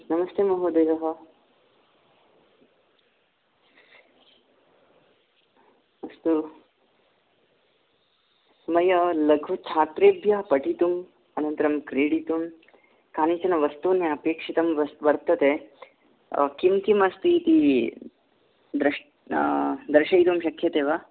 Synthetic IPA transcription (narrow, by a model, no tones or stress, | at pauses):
nɐmɐst̪eːmɐɦuːd̪eːʋɐɦɐ | ʋɐst̪u | mɐjɐlɐɡʱʋɐt͡ʃʰaːt̪ɾeːbʱjɐɦpɐʈit̪um | ɐnɐnt̪ɐɾɐmkɾeːɽit̪um | kaːnit͡ʃɐnɐʋɐst̪unjeɐpeːkʂit̪ɐmʋɐɾt̪ɐt̪e | kimk̪imɐst̪it̪i | d̪ɾ | d̪ɾʃɐjt̪umʃɐkʰjɐt̪eːʋa